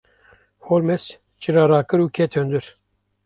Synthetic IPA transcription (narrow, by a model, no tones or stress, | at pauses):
hoɾmɛs | t͡ʃiɾɑːɾɑːkɨɾuːkʰɛt̪ʰhønd̪ɨɾ